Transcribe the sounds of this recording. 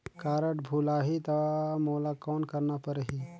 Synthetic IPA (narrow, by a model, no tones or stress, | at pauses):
kaːɾəʈbʱulaːɦit̪ɔmoːlakɔːnkəɾnapəɾəɦi